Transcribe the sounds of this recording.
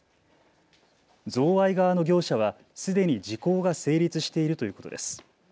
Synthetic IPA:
d͡zo̞ːβaiɡaβano̞ɡʲo̞ːɕaβ̞a | sɨd̪e̞ɲ̟id͡ʑiko̞ːɡase̞ːɾʲit͡sɨɕi̥t̪e̞iɾɯ̟t̪o̞jɯ̟ːko̞t̪o̞d̪e̞sɨ̥

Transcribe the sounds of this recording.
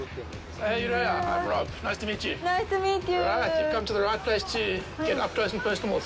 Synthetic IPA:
hejɨɹeɪaãɪ̃mɹɑbnaɪstʰəmiːˑt͡ʃʉnaɪstəmitɨɹajɨ̥kʰʌ̃mtəðəɹaɪt̚pʰl̥eɪstʰɨɡ̥ɛɾʌ̰p̚kʰɹoʊsn̩pʰɜˑsnəml̩ˠz

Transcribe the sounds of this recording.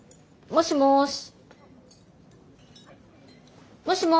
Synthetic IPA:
moɕimoɕ | moɕimo

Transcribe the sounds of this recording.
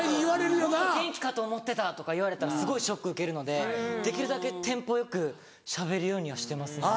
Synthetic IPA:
iβaɾeɾɯjonaɡẽ̞ŋkʲi̥kat̪o̞ːmo̞t̪ːe̞t̪at̪o̞kaiβ̞aɾe̞t̪aɾasɨɡo̞iɕo̞kːɯɯ̟ke̞ɾɯ̟no̞d̪e̞d̪e̞kʲiɾɯ̟d̪ake̞t̪ẽ̞mpo̞jo̞kɯ̟ | ɕabe̞ɾɯ̟jo̞ːɲ̟iβ̞aɕi̥t̪e̞masɨn

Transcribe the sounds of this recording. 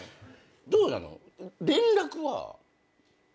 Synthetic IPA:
d̪oːna̰no̰ | ɾẽ̞nɾakɯ̟βa̰

